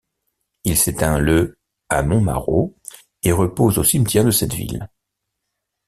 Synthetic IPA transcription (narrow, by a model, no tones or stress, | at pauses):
ilset̪ɛ̃lə | amɔ̃ma̰ʁo̰ | eʁəpozosimt̪ʰʲjɛʁd̪əsɛt̪vḭl